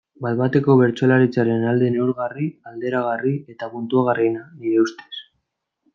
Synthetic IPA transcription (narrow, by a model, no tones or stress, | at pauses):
baðβat̪e̞ko̞βe̞ɾt͡so̞laɾit͡saɾe̞nald̪ene̞wɾɣariald̪e̞ɾaɣ̞arie̞t̪apunt̪uaɣ̞arinaniɾe̞ust̪e̞̥s